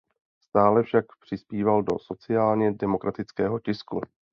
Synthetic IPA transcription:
st̪aːlɛfʃakpr̝̥ɪspiːvaldo̞so̞t͡sɪaːlɲɛdɛmo̞kɾʔat̪ɪt͡skɛːɦo̞cɪsku

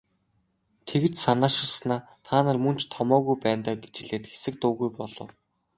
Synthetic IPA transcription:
t̪ʰeɣɘ̆t͡ɕsanaːʃɪ̆rsnaːt̪ʰaːnə̆rmɵnt͡ɕt̪ʰɔmɔːɣujpæːnt̪aːɡe̥t͡ɕɪ̆ɮeːt̪xe̥sɘ̆k̚t̪ʊːɣujpɔɮɞ̆w

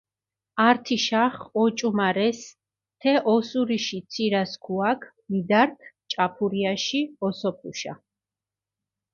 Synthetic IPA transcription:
aɾt̪ʰiʃaχɔt͡ʃʼumaɾɛs | t̪ʰɛʔɔsuɾiʃit̪sʰiɾaskʰuakʰ | mid̪aɾkʰt͡ʃʼapʰuɾiaʃiɔsɔpʰuʃa̰

